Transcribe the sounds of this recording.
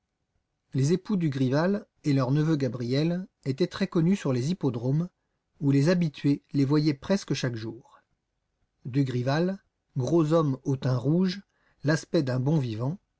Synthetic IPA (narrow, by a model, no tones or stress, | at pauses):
lezepud̪yɡʁival | elœʁnəvøɡabʁijɛlet̪ɛt̪χɛkɔnysyʁlezipɔd̪ʁom | ulezabit̪ɥelevwajɛpχɛskəʃakʒuːʁ | d̪yɡʁival | ɡʁozɔmot̪ɛ̃ʁuʒ | laspɛd̪ɛ̃bɔ̃vivɑ̃